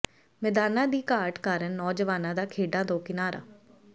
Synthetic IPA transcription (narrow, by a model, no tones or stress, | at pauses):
mɛd̪aːnãːd̪iːkaːɾʈkaːɾənːɔːd͡ʒəʋaːnãːd̪aːkʰeːɖãːt̪õːkɪnaːɾa̰ː